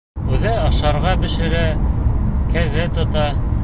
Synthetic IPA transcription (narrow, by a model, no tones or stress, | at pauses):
ʉðɘɑʃɑɾʁɑbɘ̆ʃɘ̆ɾæ | kæzɘt̪ŏt̪ɑ